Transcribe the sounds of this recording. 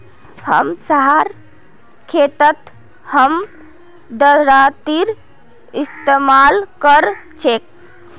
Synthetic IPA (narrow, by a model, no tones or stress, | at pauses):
hə̰msəɦaɾ | kʰet̪ət̪ | həm | d̪əɾat̪iɾ | ist̪emalkəɾt͡ʃʰek